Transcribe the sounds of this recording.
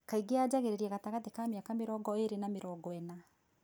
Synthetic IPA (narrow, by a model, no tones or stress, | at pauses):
kaiɡead͡ʑaɣeɾeɾɛɣataɣatekaːmeakameɾɔːɡɔeɾenameɾɔːɡɔɛna